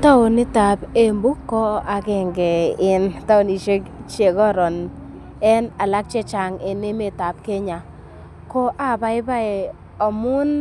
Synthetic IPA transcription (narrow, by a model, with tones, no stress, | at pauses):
ta˦ʊ˨nɪ˦ta˨be˦mbu˦kːɔ˦a˨kɛ˦˨ŋɡɛ˨ɪ˨nta˦ʊ˨ni˨ʃe˦kt͡ʃe˨kɔ˦ɾɔ˨n | ɛ˦na˨la˦k̚t͡ʃɛ˦t͡ʃa˨ŋɪ˨ne˦me˨ta˨p̚ke˦ɲa˨ | kɔ˦ʔa˦ba˨ɪ˦ba˦ɛ˨ | ɔ˨mʊ˦n